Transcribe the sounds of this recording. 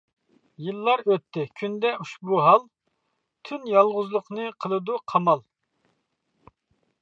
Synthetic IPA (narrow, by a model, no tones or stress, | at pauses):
jilˠːɑɾøt̪ʰːɪkʲʰynd̪ɛuʃbuɦɑlˠ | t̪ʰynjɑlˠʁʊzlˠʊqnɨqʰəlˠɨd̪uqʰɑmɑlˠ